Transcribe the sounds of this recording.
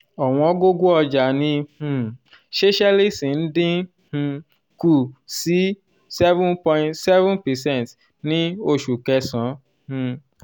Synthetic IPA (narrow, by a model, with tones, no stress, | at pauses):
ɔ˨w̃ɔ̃˧˦ɡo˦ɡo˦ɔ˧d͡ʒa˨nĩ˧hũ˧˨ | ʃe˦ʃɛ˦li˦˨sĩ˨n̩˦dĩ˦ | hũ˧ | ku˦˨si˨˦ | sɛ˦vũ˦npɔ̃˧j̃tsɛ˦vũ˦npɛ˨sɛ̃˦˨nt | nĩ˦o˧˨ʃu˨kɛ˧sã˨˦ | hũ˧